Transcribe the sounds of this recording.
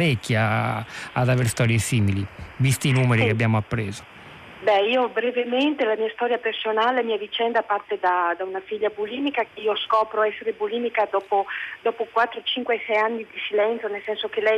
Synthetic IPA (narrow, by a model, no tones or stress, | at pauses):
ɾɛkːjaː | d̪aveɾst̪ɔːɾjesiːmilivist̪iːnuːmeɾikeabjaːmoapːɾeːzo̥ | bɛiːobɾevement̪elamiːast̪ɔːɾjapersonalelamiːavit͡ʃɛnd̪apart̪ed̪ad̪aunafiʎːabuliːmikakeiːoskɔːpɾoɛsːeɾeboliːmikad̪ɔːpod̪ɔːpokwat̪ːɾot͡ʃiŋkweɛsɛjanːid̪isilɛnt̪sjonelsɛnsokelɛj